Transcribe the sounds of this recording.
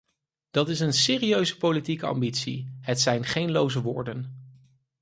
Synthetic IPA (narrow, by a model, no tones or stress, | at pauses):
d̥ɑtɪsənseːriøɥzəpowlitikəɑ̰mbitsḭɦətsɛjnχejnlowzəʋʊːɹdən